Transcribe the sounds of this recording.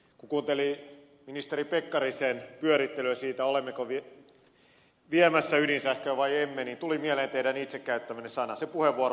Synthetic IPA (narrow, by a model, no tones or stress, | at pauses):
kukuːnt̪eli | minist̪eɾipekːɑriseːnpyøɾit̪ːeløsiːt̪æolemːekoʋi | ʋiæmæsːæyɾinsæhkøːʋɑiemːeniːnt̪ulimieleːnt̪eiɾænit̪sekkæyt̪ːæmænesɑnɑsepuheʋːuor